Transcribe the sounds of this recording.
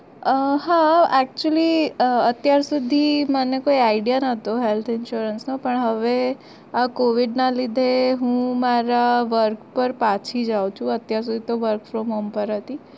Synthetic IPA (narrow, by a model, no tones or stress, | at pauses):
əɦaɛk̚t͡ʃuəliət̪jaɾsud̪ʱimənekoiaiɖijanət̪oɦelt̪ʰɪnʃuɾənsnopəɳɦəʋe | akoʋiɖnalid̪ʱeɦũmaɾaʋəɾkpəɾpat͡ʃʰid͡ʒawt͡ʃʰũət̪jaɾs̬ud̪ʱit̪oʋəɾkfɾomɦompəɾɦət̪i